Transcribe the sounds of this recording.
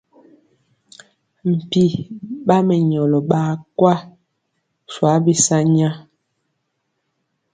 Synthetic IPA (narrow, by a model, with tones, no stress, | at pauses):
m̩˨pi˨ɓa˦mɛ˨ɲɔ˨lɔ˨ɓa˦kwa˦ | swa˨˦bi˦sa˦ɲa˦